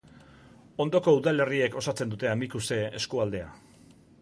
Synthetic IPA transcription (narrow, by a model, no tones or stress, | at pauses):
o̞nd̪o̞ko̞uðale̞rie̞ko̞sat͡se̞nd̪ut̪e̞amikuse̞eskuald̪e̞a